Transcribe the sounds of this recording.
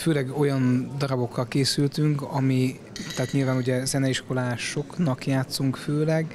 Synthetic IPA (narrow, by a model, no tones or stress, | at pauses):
føːlɛɡo̞jɒnd̪ɒɾɒbo̞kːɒlkeːsylt̪yŋkɒmi | t̪ɛːt̪ɲiːlvaːnuɟɛzɛnɛiʃko̞laːʃo̞knɒkjaːt̪suŋkføːlɛɡ